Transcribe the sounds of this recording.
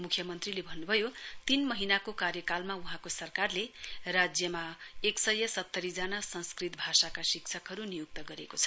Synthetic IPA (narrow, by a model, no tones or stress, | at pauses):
mukʰjʌmʌnt̪rilebʱʌnːubʱʌjot̪inmʌɦinakokarjʌkalmauɦãkosʌrkarlerad͡zjʌmaeksʌjʌsʌt̪ːʌɾid͡zanasʌ̃nskrit̪̚bʱasakasikt͡sʰʌkɦʌɾunijuk̚t̪ʌɡʌɾekot͡sʰʌ̥